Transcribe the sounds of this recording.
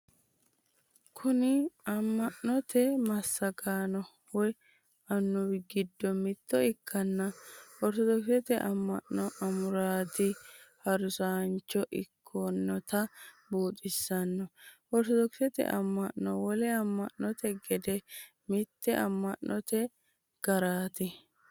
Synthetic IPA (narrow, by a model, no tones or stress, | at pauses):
kʰʊnɪɐmːɐʔnɔt̪ɛmɐsːɐɡaːnɔ | wɔj | ɐnːʊbɪɡɪd̪ːɔmɪt̪ːɔɪkʰːɐnːɐwɔɾt̪ɔd̪ɔksɛt̪ɛʔɐmːɐ̰ʔːɔʔɐmʊɾaːt̪ɪhɐɾʊsaːnt͡ʃːɔʔɪkʰːɔnːɔt̪ɐ | buːt̪ʼɪsːɐnːɔwɔɾt̪ɔd̪ɔksɛt̪ɛ̰ʔɐ̰mːɐʔːɔwɔlɛɐmːɐʔːɔt̪ɛɡɛd̪ɛ | mɪt̪ːɛʔɐmːɐʔːʔɔt̪ɛ | ɡ̥ɐɾaːt̪ɪ